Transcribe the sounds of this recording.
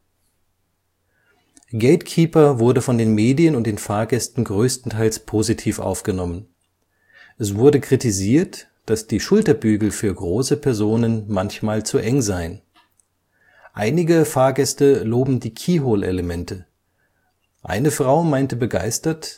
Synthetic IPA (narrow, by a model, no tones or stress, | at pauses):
ɡ̥eɪtkʰiːpɐvʊɐdəfɔndeːnmeːdjənʊntd̥eːnfaːɐɡɛstn̩ɡʁøːstn̩tʰaɪlspʰoːzitʰiːfʔa̰ʊfɡ̥ənɔmən | ʔɛsv̥ʊɐdəkʁ̥itiziːɐt | d̥asd̥iːʃʊltɐbyːɡl̩fyːɐɡʁoːsəpʰɛɐzoːnənmançmaːlt͡suʔɛŋzaɪən | ʔaɪnɪɡəfaːɐɡɛstəloːbm̩diːkʰiːɦoːlʔḛləmɛntʰə | ʔa̰ɪnəfʁ̥aʊmaɪntəbəɡa̰ɪstɐt